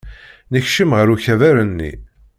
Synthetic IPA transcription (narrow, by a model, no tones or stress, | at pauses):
nəçʃəmʁəɾuçævæɾənːḭ